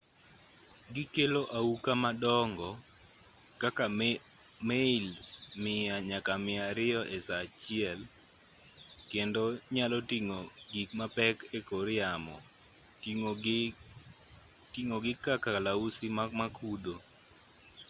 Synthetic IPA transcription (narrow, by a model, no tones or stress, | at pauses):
ɡɪkeloʔaukamadɔŋɡɔ | kaka | meilsmɪaɲakamɪaɾɪɔʔesat͡ʃɪɛl | kendoɲalɔtiŋoɡikmapɛkekoɾɪamɔ̰ | tiŋoɡɪkakalausimamakʰud̪o